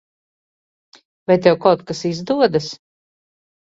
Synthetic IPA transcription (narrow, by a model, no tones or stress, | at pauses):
vajt̪ɛwkawt̪̚kasizd̪uɔd̪as